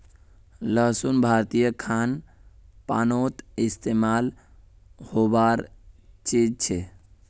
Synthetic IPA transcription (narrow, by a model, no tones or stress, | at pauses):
ləɦsunbʱaɾt̪ijəkʰan | pa̰ːnot̪ist̪emal | hobaɾt͡ʃid͡ʒt͡ʃʰe